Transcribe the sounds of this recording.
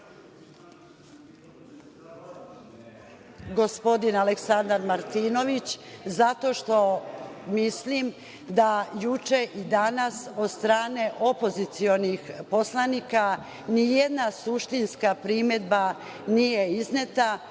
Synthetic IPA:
ɡo̞spo̞d̪inaleksand̪aɾmaɾt̪iːno̞ʋit͡ɕzat̪o̞ʃt̪o̞mislim | d̪ajut͡ʃe̞ʔid̪anaso̞d̪st̪ɾaːne̞ʔo̞po̞zit̪sio̞nixpo̞slˠanika | nijed̪nasuʃt̪inskapɾimed̪ba | nije̞iznet̪a

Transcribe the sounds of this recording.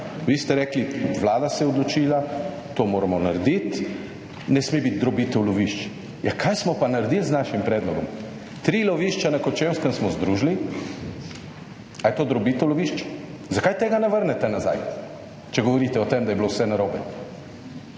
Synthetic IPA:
ʋist̪ɛɾɛːkliʋlaːd̪asɛjɛɔd̪lɔt͡ʃiːla | t̪omoːɾamɔna̰ɾd̪it̪ | nɛsmebit̪̚d̪ɾɔbit̪ɛwlɔʋiʃt͡ʃ | jakʰajsmɔpanaɾed̪ilznaʃimpɾɛːd̪lɔɡɔm | t̪ɾiːlɔʋiʃt͡ʃanakɔt͡ʃewskənsmɔzd̪ɾuːʒli | ajt̪od̪ɾɔbit̪əwlɔʋiʃt͡ʃ | zakajt̪eːɡanaʋəɾnɛt̪ɛnaza̰j | t͡ʃɛɡɔʋɔɾiːt̪ɛɔt̪emd̪ajɛbilowsɛnaɾoːbɛ

